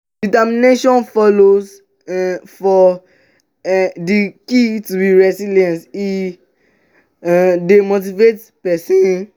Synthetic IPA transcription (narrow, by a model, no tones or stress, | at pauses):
ditamineʃɔ̃nfɔloz | fɔ | dikitubiɹɛsiliɛ̃nti | ɛ̃demot̬ivet | pɛsĩn